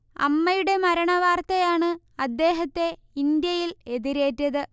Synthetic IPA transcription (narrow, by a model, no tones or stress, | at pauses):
ɐ̰mːɐjuɽe̞mɐɾɐɳɐʋaːrt̪ɐjaːɳɨ | ɐd̪ːe̞ːɦɐt̪ːe̞ | ind̪jɐjile̞ðiɾe̞ːtːɐðɨ